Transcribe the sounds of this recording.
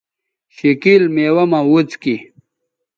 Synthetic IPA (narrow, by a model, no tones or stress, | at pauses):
ɕikilmeːwɐmawut͡ski